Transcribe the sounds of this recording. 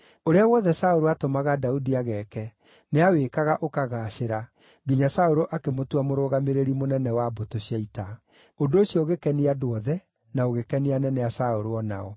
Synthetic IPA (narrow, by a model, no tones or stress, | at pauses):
oɾeawɔðɛsaoɾoatomaɣadaudiaɣɛkɛ | neaweːkaɣaʔokaɣaːɕeɾa | ɡiɲasaoɾoʔakemotuamoɾoːɣameɾeɾimonɛnɛwabotoɕjaita | ondoːɕjɔoɣekɛniadoɔðɛ | naoɣekɛnianɛnɛasaoɾoɔna̰ɔ